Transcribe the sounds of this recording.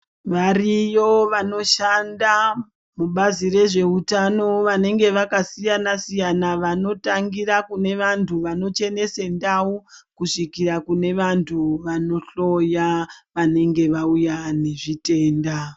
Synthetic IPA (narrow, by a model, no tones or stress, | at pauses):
ʋarijo̞ʋano̞ʃanda | muɓazire̞ʐe̞utano̞ʋane̞ŋɡe̞ʋakasijanasijanaʋano̞taŋɡiɾakune̞ʋantʰuʋano̞t͡ʃe̞ne̞sendaukuʂikirakune̞ʋantʰuʋano̞ɬo̞jaʋane̞ŋɡe̞ʋaujane̞ʐite̞ːnda